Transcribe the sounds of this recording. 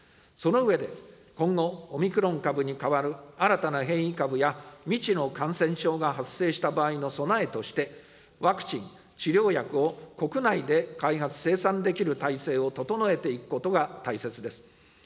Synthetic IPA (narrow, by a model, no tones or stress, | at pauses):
so̞no̞ɯ̟e̞d̪e̞ | kõ̞ŋɡo̞ːmʲikɯ̟ɾõ̞ŋkabɯ̟ɲ̟ikaβaɾɯ̟aɾat̪anaɦẽ̞ɰ̃ikabɯ̟jamʲit͡ɕino̞kãɰ̃sẽ̞ɰ̃ɕo̞ːɡaɦasːe̞ːɕi̥t̪abaːino̞so̞nae̞t̪o̞ɕi̥t̪e̞ | βakɯ̟̥t͡ɕĩŋ | t͡ɕiɾʲo̞ːjakɯ̟o̞ko̞kɯ̟naid̪e̞kaiɦat͡sɨ̥se̞ːsãnd̪e̞kʲiɾɯ̟t̪aise̞ːo̞t̪o̞t̪o̞no̞e̞t̪e̞ikɯ̟̥ko̞t̪o̞ɡat̪aise̞t͡sɨd̪e̞sɨ̥